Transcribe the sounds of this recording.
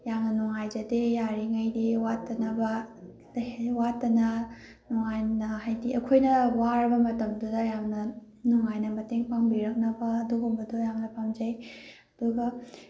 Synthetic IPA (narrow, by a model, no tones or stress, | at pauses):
jaŋnɐnuŋajd͡ʒɐdejaɾiŋajdiwatːɐnɐbɐ | watːɐnɐ | nuŋajnɐɦajdiʔɐkʰojnɐwaɾɐbɐmɐtɐmdudɐjaŋnɐ | nuŋajnɐmɐteŋpʰaŋbiɾɐk̚nɐbɐːdoɦumbɐdojaŋnɐpʰamd͡ʒaj | ɐduɡɐ